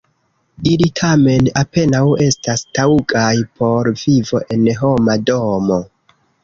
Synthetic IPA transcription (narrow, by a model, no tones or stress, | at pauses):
ilitʰame̞nape̞nawe̞stastauɡajpʰo̞ɾvivo̞ʔe̞nɦo̞mado̞mo̞